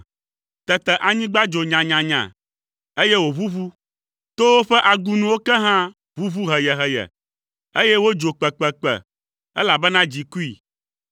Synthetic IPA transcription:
t̪ɛ˨t̪ɛ˨ʔa˨ɲĩ˦ɡ͡ba˦d͡ʒo˨ɲã˨ɲã˨ɲã̰˨ | e˦jɛe˦wo˨vu˦βu˦ | t̪o˦wo˦ɸɛ˦ʔa˨ɡu˦nũ˨wo˦kɛ˦ɦã˦ | vu˦vu˦ɦɛ˨jɛ˨ɦɛ˨jɛ̰˨ | e˦jɛ˦wo˦d͡ʒo˨k͡pɛ˨k͡pɛ˨k͡pɛ̰˨ | ɛ˦la˨bɛ˦nã˦d͡ʑi˨ku˦i˨

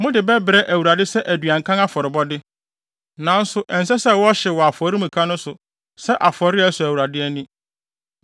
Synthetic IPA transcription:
mʊ̃˦dɪ˨bɛ˦bɪ˨ɾɛ˦ʔæ˨wu˨ɾa˨dɪ˦sɛ˦ʔæ˨dɥa˨ŋ̩˨kʰã˦ŋa˦fɔ˨ɾɪ˨bɔ˦dɪ˦ | nã˨n̩˦sʊ˨ʔɛ̃˨n̩˨s̬ɛ˦sɛ˦wɔ˦ɕɛ˨wɔ˨a˨fɔ˨ɾi˦mũ˨kʰa˦nʊ̃˦sʊ˨ | sɛ˦ʔa˨fɔ˨ɾɪ˦æ˦sʊ˨æ˨wu˨ɾa˨dɪ˦æ˦nĩ˦

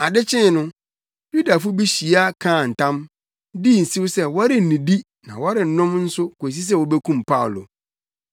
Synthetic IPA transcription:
a˨dɪ˦t͡ɕʰɪ̃˦˨nʊ̃˦ | ju˦da˨fʊ˦bi˦ɕi˨a˦˨kʰãː˦˨n̩˨tʰã˦m | di˦˨n̩˨si˦wsɛ˦wɔ˦ɾɪ˨n̩˨nĩ˨di˦ | nã̰˨wa˦ɾɪ˨n̩˨nʊ̃˦mn̩˦sʊ˦ko˨s̬i˦s̬ɛ˦wɔ˦bɛ˦kʰũ˦˨mpʰa˦ʊ˨lo̰˨

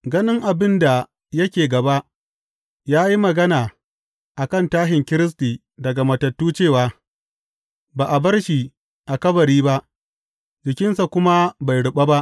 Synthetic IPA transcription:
ɡɐ˦nɪ˦ŋʔa˨bɪ˦nda˨ | jɐ˦kʲeː˨ɡɐ˨ba˦ʔ | jaː˦ji˦mɐ˨ɡɐ˦naː˨ | ʔa˨kɐ˦˨ntaː˦ɦɪ˨ŋkʲɪ˦ɾɪ˦s̬tiː˨ | dɐ˨ɡa˨mɐ˨tɐ˨tːuː˦t͡ʃeː˦˨waː˨ | baː˨ʔa˨bɐ˦rʃi˨ | ʔa˨kɐ˦bɐ˨ɾiː˦ba˦ʔ | d͡ʒɪ˨kʲɪ˦nsa˨kʷʊ˦ma˦ba˨jɽʊ˨ɓa˦ba˦ʔ

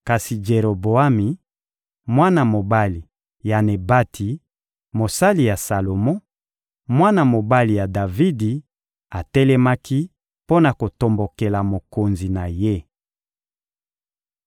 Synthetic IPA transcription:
ka˨si˨d͡ʒe˨ɾo˨bo˨a˦mi˨ | mwa˦na˨mo˨ba˦li˨ | ja˨ne˨ba˦tʰi˨ | mo˨sa˦li˨ja˨sa˨lo˨mɔ˦ | mwa˦na˨mo˨ba˦li˨ja˨da˨vi˦di˨ | a˨tɛ˦lɛ˦ma˦ki˦ | po˦na˨ko˨to˨mbo˨ke˨la˨mo˨ko˨nzi˨na˨je˦

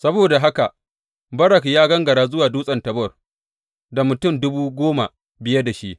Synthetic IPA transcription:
sɐ˦boː˨da˨ɦa˦ka˨ | bɐ˦ɾɐ˨kjaː˦ɡɐ˦ŋɡɐ˨ɽaː˦zʊ˦waː˨duː˦sʼɐ˨ntɐ˨bɔ˦˨r | da˨mʊ˨tʊ˦˨mdʊ˦buː˦ɡʷoː˦ma˨ | bɪ˨jɐ˦da˨ʃi˦ʔ

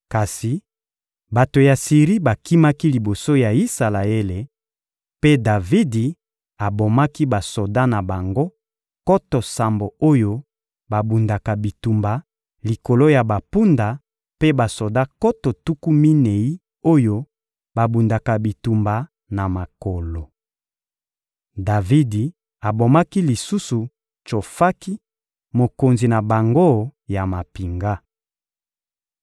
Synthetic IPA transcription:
ka˨si˨ | ba˨to˨ja˨si˨ʁi˦ba˨ki˦ma˦ki˦li˨bo˨so˦ja˨i˦sa˨la˨e˦le˨ | pe˦da˨vi˦di˨ | a˨bo˨ma˦ki˦ba˨so˨da˦na˨ba˨ŋɡo˦ | ko˦to˨sa˨mbo˨o˦jo˦ | ba˨bu˨nda˨ka˨bi˨tu˨mba˨ | li˨ko˨lo˦ja˨ba˨pu˦nda˨ | pe˦ba˨so˨da˦ko˦to˨tu˦ku˦mi˦ne˨i˦ | o˦jo˦ | ba˨bu˨nda˨ka˨bi˨tu˨mba˨ | na˨ma˨ko˨lo˨ | da˨vi˦di˨ | a˨bo˨ma˦ki˦li˨su˦su˨ | t͡ʃo˨fa˦ki˦ | mo˨ko˨nzi˨na˨ba˨ŋɡo˦ja˨ma˨pi˨ŋɡa˦

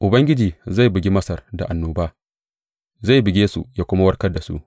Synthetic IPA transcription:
ʔʊ˨bɐ˦ŋɡʲɪ˦d͡ʒiː˨za˦˨jbɪ˨ɡʲi˦mɐ˦sɐ˨rda̰˨ʔa˨nːoː˨baː˦ | za˦˨bɪ˨ɡʲeː˦sṵ˨jaː˦kʷʊ˦ma˦wɐ˦rkɐ˦da˨sṵ˦ʔ

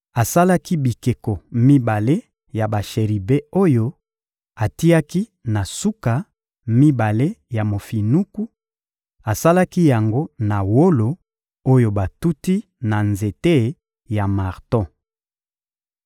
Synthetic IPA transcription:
a˨sa˦la˦ki˦bi˨ke˨ko˨mi˦ba˨le˦ | ja˨ba˨ʃe˨ʁi˨be˦o˦jo˦ | a˨ti˦a˦ki˦na˨su˦ka˨ | mi˦ba˨le˦ja˨mo˨fi˨nu˦ku˦ | a˨sa˦la˦ki˦ja˨ŋɡo˦na˨wo˦lo˨ | o˦jo˨ba˨tu˦ti˦ | na˨nze˨te˦ | ja˨ma˨ʁtɔ̃˦

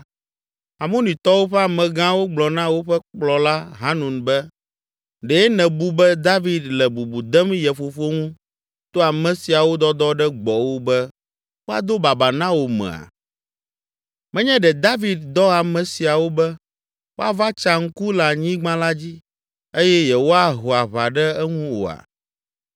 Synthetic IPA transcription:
a˨mõ˦nĩ˨t̪ɔ˦wo˦ɸɛ˦a˨mɛ̃˨ɡã˦wo˦ɡ͡blɔ˨nã˦wo˦ɸɛ˦k͡plɔ˨la˦ɦa˦nũ˨nbɛ˦ | ɖɛ˨ɛ˦nɛ̃˨bu˦bɛ˦d̪a˦vi˨d̪lɛ˨bu˨bu˨d̪ɛ˦mjɛ˨fo˨fo˦ŋũ˦ | t̪o˦a˨mɛ̃˨si˨a˨wo˦d̪ɔ˦d̪ɔ˦ɖɛ˦ɡ͡bɔ˨wo˦bɛ˦ | wo˦a˨d̪o˦ba˨ba˨nã˦wo˨mɛ̰̃˨a̰˨ | mɛ̃˦ɲɛ̃˦ɖɛ˨d̪a˦vi˨d̪̚d̪ɔ˦a˨mɛ̃˨si˨a˨wo˦bɛ˦ | wo˦a˨va˦t͡ʃa˨ŋ̩˦ku˦la˨ɲĩ˦ɡ͡bã˦la˦d͡ʑi˦ | e˦jɛ˦jɛ˨wo˦a˦ɦo˨a˨βa˨ɖɛ˦ɛ˦ŋũ˦wo̰˨a̰˨

